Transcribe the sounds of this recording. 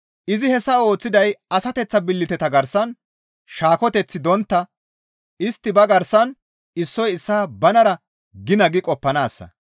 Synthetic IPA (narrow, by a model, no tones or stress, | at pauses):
ʔɪzɪhɛsːɐo̞ːt͡sːɪd̪ɐjɐsɐt̪ɛt͡sːɐbɪlːɪt̪ɛt̪ɐɡɐɾsɐn | ʃaːkɔt̪ɛt͡sːɪd̪ɔnt̪ːɐ | ɪst̪ːɪbɐɡɐɾsɐn | ɪsːɔjɪsːaːbɐnɐɾɐ | ɡɪnɐɡɪkʼɔpːɐnaːsːɐ̰